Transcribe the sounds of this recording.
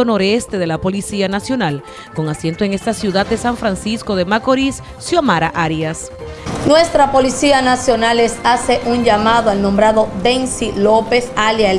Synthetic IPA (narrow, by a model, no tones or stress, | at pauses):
ono̞ɾest̪e̞ðe̞lapo̞lisianasjo̞nal | ko̞ŋasje̞nt̪oe̞ŋe̞st̪asjuðat̪̚d̪esaɱfɾansisko̞ðe̞makoɾisːjomaɾaʔaɾjas | nwest̪ɾapo̞lisianasjo̞nalesase̞ʔuɲʝamaðoalnõ̞mbɾaðo̞d̪ensilope̞saljae